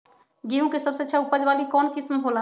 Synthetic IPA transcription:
ɡiɦũkesəbseətːʃʰaupəd͡ʒbalikɔnkismɦola

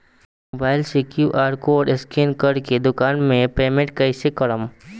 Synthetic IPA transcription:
mobaːɪlsikjuʔaːɾkoɖɪskeːnkəɾked̪ʊkaːnmẽpeːmẽɳʈ̚kɐisekɐɽəm

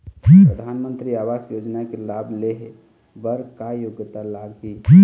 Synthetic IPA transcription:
ɾəd̪ʱaːnmə̃nt̪ɾiaːʋaːsjoːd͡ʒnakelabʱleɦ | bəɾkajoɡət̪alaɡɦi

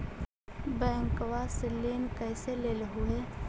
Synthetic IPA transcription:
bɛ̃ːŋkʋasɪlːinkəːseleːlɦue

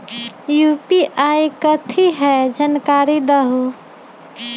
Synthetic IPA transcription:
jupiʔajkət̪ʰiɦɛd͡ʒənkaɾid̪əɦu

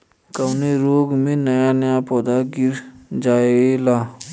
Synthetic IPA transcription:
kəwneɾoːɡmẽnɐjanəjapɔːd̪aɡɪɾd͡ʒaːelaː

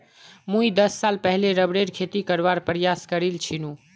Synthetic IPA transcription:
mũid̪əsːalpəɦleɾəbɽeɾkʰet̪ikəɾbaɾpɾjaskəɾilt͡ʃʰinũ

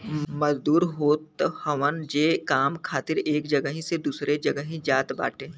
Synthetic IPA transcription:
mɐzd̪uːɾɦoːt̪həʋənd͡ʒeːkaːmkʰaːt̪ɪɾeːkd͡ʒəɡəɦĩsed̪uːsɾed͡ʒɐɡəɦĩd͡ʒaːt̪ba̰ːʈe

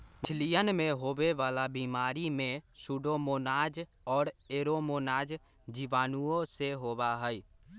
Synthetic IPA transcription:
t͡ʃʰlijənmẽɦoːʋeʋaːlabiːmaːɾimẽsuːɖomoːnaːd͡ʒ | ɔːɾeːɾoːmoːnaːd͡ʒ | d͡ʒiʋaːnuõseɦoːbaɦɛi

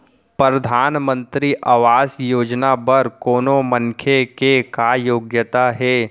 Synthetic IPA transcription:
pɾəd̪ʱaːnmə̃nt̪ɾiʔɐʋaːsjoːd͡ʒnabɐɾkoːnomə̃ŋkʰjekekajoːɡjət̪aɦɛː

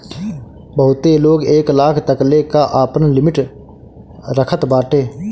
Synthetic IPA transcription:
bəɦʊt̪eloːɡeːklaːkʰt̪əklekaʔaːpənlɪmɪʈ | ɾəkʰət̪baːʈeː

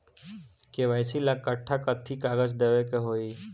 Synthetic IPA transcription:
keʋəjsilakːəʈʰːakət̪ʰːikaːɡəd͡ʒd̪eʋekeɦoːi

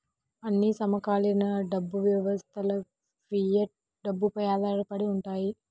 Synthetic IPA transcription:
ɐnːisɐmɐkaːlɐnɐɖɐbːuʋjɐʋɐst̪ʰɐlɐ | pɾijɐʈ̚ | ɖɐbːupɐjaːd̪aːɾɐpɐɽiuɳʈaːji

